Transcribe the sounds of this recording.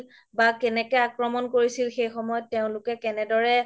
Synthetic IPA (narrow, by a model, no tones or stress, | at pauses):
bakɛnɛkɛakɹɔmɔnkoɹisilxejxɔmɔjɔtːeʊ̃lʊkɛkɛnɛdɔɹɛ